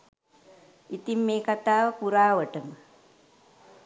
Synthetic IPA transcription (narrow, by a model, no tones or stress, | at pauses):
it̪imːeːkat̪aːʋpuɾaːʋəʈəm